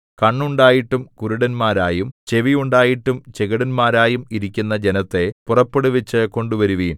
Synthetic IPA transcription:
kɐɳːuɳɖaːjiʈːumkuɾuɽɐnmaːɾaːjumt͡ɕe̞ʋijuɳɖaːjiʈːumt͡ɕeɣiɽɐnmaːɾaːjumiɾikʲːunːɐd͡ʑenɐt̪ːe̞purɐpːeɽuʋit͡ɕːɨko̞ɳɖuʋɐɾuʋiːn

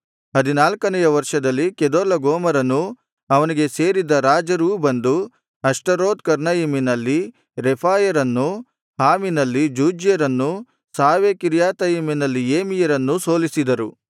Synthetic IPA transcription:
ɦɐd̪inaːlkɐnɛjɐʋɐɾʂɐd̪ɐlːikɛd̪oːlɐɡoːmɐɾɐnːu | ɐʋɐniɡe̞se̞ːɾid̪ɐɾaːd͡ʒɐɾuːbɐnd̪u | ɐʂʈɐɾoːd̪̚kɐɾnɐjiminɐlːi | ɾepʰaːjɐɾɐnːu | ɦaːminɐlːid͡ʒuːd͡ʒjɐɾɐnːu | saːʋekiɾjaːt̪ɐjiminɐlːieːmijɐɾɐnːuso̞ːlisid̪ɐɾu

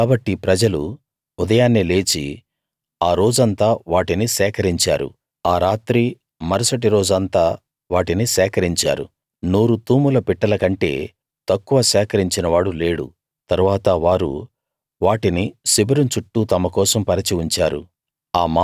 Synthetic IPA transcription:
kaːbɐʈːipɾɐd͡ʒɐlu | ud̪ɐjaːnːile̞ːt͡ʃi | aːɾo̞ːd͡ʒɐnt̪aːʋaːʈinisɛːkɐɾiɲt͡ʃa̰ːɾṵ | aːɾaːt̪ɾi | mɐɾɐsɐʈiɾo̞ːd͡ʒɐnt̪aː | ʋaːʈinisɛːkɐɾiɲt͡ʃa̰ːɾṵ | nuːɾut̪uːmulɐpiʈːɐlɐkɐɳʈe̞ː | t̪ɐkːuʋɐsɛːkɐɾiɲt͡ʃinɐʋaːɽule̞ːɽṵ | t̪ɐɾuʋaːt̪ɐʋaːɾṵ | ʋaːʈinisibɐɾumt͡ʃuʈːut̪ɐmɐkɔːsɐmpɐɾɐt͡ʃiuɲt͡ʃaːɾṵ | aːmaː

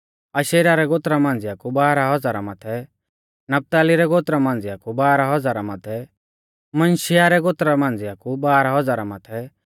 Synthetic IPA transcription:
aʃeːɾaɾɛɡoːt̪ɾamãːnd͡zɪjakubaːɾaɦɔd͡zaːɾamaːt̪ʰɛ | nɐp̚t̪aːliɾɛɡoːt̪ɾamãːnd͡zɪjakubaːɾaɦɔd͡zaːɾamat̪ʰɛ | mɐnʃɪjaɾɛɡoːt̪ɾamãːnd͡zɪjakubaːɾaɦɔd͡zaːɾamaːt̪ʰɛ

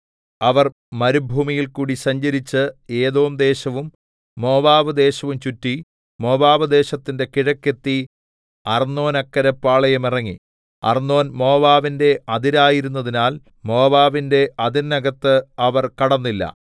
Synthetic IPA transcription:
ɐʋɐr | mɐɾubʱuːmijilkuːɽisɐɲd͡ʑɐɾit͡ɕːɨe̞ːðoːmd̪e̞ːɕɐʋumː | o̞ːbaːʋɨd̪e̞ːɕɐʋumt͡ɕutːi | mo̞ːbaːʋɐd̪e̞ːɕɐt̪ːinde̞kiɻɐkːe̞t̪ːi | ɐrnːo̞ːnɐkːɐɾɐpːaːɭɐjɐmirɐŋːi | ɐ̰rnːo̞ːnmo̞ːbaːʋinde̞ɐðiɾaːjiɾunːɐðinaːl | mo̞ːbaːʋinde̞ɐðinnɐɡɐt̪ːɨɐʋɐrkɐɽɐnːilːɐ̰

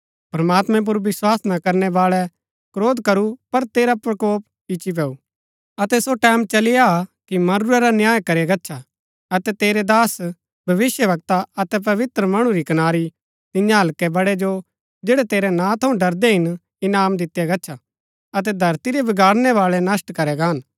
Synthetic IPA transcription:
pɾɐmaːt̪mɛ̃p̬ʊɾʋɪswaːsnakɐɾnɛʋaːɭɛ | kɾoːd̪kɐɾupɐɾt̪eːɾapɾɐkoːp̚ | ɪt͡ʃip̬ɛːu | ɐt̪ɛsoʈɛ̃ːmt͡ʃɐlɪjakimɐɾuɾɛɾanjaːjkɐɾiaɡɐtːʃʰa | ɐt̪ɛt̪eːɾɛd̪aːs | bʱɐʋɪsjəʋɐk̚t̪aɐt̪ɛp̬ɐʋɪt̪ɾəmɐɽ̃uɾikɐnaːɾi | t̪ɪjãɦɐlkɛbɐɽɛd͡ʒo | d͡ʒeːɽɛt̪eːɾɛnãt̪ʰɐũɖɐɾd̪ɛɦɪn | ɪnaːmd̪ɪt̪jaɡɐtːt͡ʃʰa | ɐt̪̬ɛd̪ʱɐɾt̪iɾɛbɐɡaːɽnɛʋaːɭɛnɐsʈkɐɾɛɡaːn

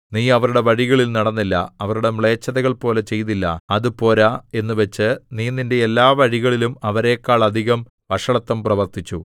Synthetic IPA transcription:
niːɐʋɐɾuɽe̞ʋɐɻiɣɐɭilnɐɽɐnːilːɐ̰ɐʋɐɾuɽe̞mɭe̞ːt͡ɕːɐðɐɣɐɭpo̞ːle̞t͡ɕe̞jt̪ilːɐ̰ɐðupo̞ːlae̞nːuʋet͡ɕːɨniːninde̞ːlːaːʋɐɻiɣɐɭilumɐʋɐɾe̞ːkːaːɭɐd̪ʱiɣɐm | ʋɐʂɐɳɐt̪ːɐmprɐʋɐrt̪ʰit͡ɕːu

